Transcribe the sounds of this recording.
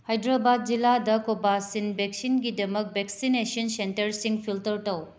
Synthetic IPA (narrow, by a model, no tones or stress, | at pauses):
hajdɾabad̚d͡ʒiladɐkobasinbek̚sinɡidɐmɐk̚bʱeksinesɐnsentɐɾsiŋpʰiltɐɾtɐw